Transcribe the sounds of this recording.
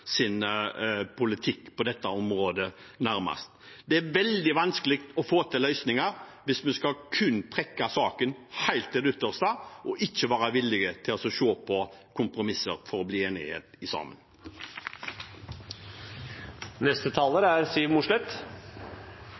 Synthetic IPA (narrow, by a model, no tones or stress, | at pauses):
sɪn | pʰʊlɪt̪ʰɪkːpʰɔd̪ɛt̪ːɑɔmɾoːd̪ə | næɾmɑ̰st̪ | d̪ɛæɾʋɛld̪ɪʋɑnskəlɪkt̪ɔfoːt̪ʰɪlœʏsnɪŋɑɾʋɪsmɛnskɑkʰʉnt̪ʰɾɛkːɑsɑːkənhæɪlt̪ɛʉt̪əʁst̪ɑʔɔʔɪçːəʋɑːɾɑʋɪlɪɡət̪ʰɪlɔsɔʃoːpʰɔkʰʊmpɾʊmɪsəɾfɔɾɔbliːeːnɪ̰hḛːt̪ɪsɑ̰ːmə̰n | nɛst̪ət̪ʰɑːləɾæɾsiːʋmʊʂlɛt̪